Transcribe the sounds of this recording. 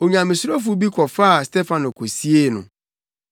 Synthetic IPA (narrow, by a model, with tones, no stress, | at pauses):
o˨ɲã˨mɪ̃˨su˦ɾo˦f̬u˦bi˦kʰɔ˨fa˦a˨ste˦fã˨nõ˨kʰo˨si˦e˦˨nʊ̰̃˨